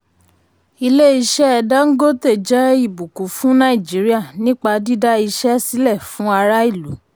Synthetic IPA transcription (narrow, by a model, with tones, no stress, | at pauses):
i˧le˦i˧ʃɛ˦ɛ˧da˦ŋ̩˦ɡo˦te˦˨d͡ʒɛ˦i˦˨bu˨ku˨˦fũ˦nã˦i˨d͡ʒi˨˦ɾi˦a˦˨nĩ˦k͡pa˧di˦da˦i˧ʃɛ˦si˦lɛ˦˨fũ˨˦a˧ɾa˦i˦˨lu˨˦